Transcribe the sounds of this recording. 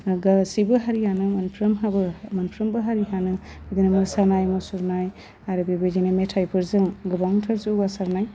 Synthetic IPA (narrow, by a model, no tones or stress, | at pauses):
ɡasibɯɦaɾihanɯmanpʰɾɐmɦabɯmanpʰɾɐmbɯɦaɾiɦanɯ | bid̪inamɯsaɾnajmusuɾnaj | aɾɯbebed͡ʒinametʰajpʰɯɾzɯŋɡɯbawntʰɐɾzuɡasaɾnaj